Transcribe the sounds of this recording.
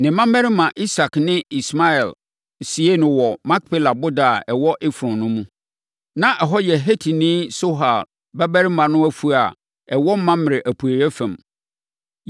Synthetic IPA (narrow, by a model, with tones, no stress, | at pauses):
nɪ̃˨mã˦m˦ɛ˦ɾɪ˦mã˨ʔi˦sa˨knɪ̃˦i˨sma˦ɛ˨l | si˨˦e˦nʊ̃˨wɔ˨mã˦k̚pʰe˦la˨bʊ˦da˨ɛ˨wɔ˦ʔɪ˦fɾɔ̃˨nnʊ̃˦mũ˦ | nã˦ʔɛ˨ɦɔ˦jɛ˨ɦe˦tʰi˨nĩ˦so˦ɦa˨l | bɛ˦bæ˦ɾɪ˦mã˨nʊ̃˦æ˦fu˦a˨ | ɛ˨wɔ˦m̩˦mːã˦mɪ˨ɾɪ˨ʔæ˨pʰu˨æ˨ɾæ˦fæ̃˨m